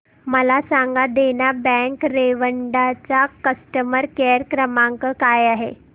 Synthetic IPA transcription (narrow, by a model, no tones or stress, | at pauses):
məlasaŋɡad̪enabɛ̃ŋkɾeʋəɳɖat͡sakəsʈəməɾkeɾkɾəmaŋkəkajaɦe